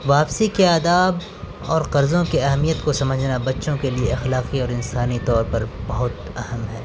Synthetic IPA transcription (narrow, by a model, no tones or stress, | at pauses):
ʋaːpsikeaːd̪aːb | ɔːɾqɐɾzõkiɐɦɛmijət̪kosɐməd͡ʒʱnabɐtːʃõkelieɐxlaːqiɔːɾɪnsaːnit̪ɔːɾpɐɾbɐɦʊt̪ | ɐɦəmɦɛː